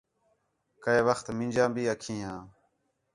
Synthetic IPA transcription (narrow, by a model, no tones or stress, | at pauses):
kəeːʋəxt̪mɪ̃ːd͡ʒãːbiːəkʰĩːɦãː